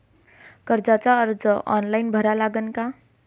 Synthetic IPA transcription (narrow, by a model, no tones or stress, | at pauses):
kʌɾd͡zat͡saʌɾd͡zʌʔɔ̰nlajnbʱʌɾalaɡʌnka